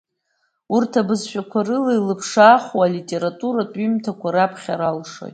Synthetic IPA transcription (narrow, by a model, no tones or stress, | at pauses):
urtʰabɨzʃᶣakʷʰarɨlejlɨpʰʂaːχwalitʼe̞ɾatʼuɾatʼimtʰakʷʰaɾapʰχʲaɾalʂo̰jtʼ